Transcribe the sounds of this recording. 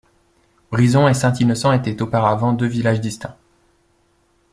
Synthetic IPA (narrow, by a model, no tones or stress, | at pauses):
bʁizɔ̃esɛ̃t̪inɔsɑ̃et̪ɛt̪opaʁavɑ̃d̪øvilaʒd̪ist̪ɛ̃